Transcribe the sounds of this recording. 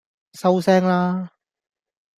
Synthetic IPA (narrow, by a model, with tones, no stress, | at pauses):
sɐ˥wsɛː˥ŋlaː˥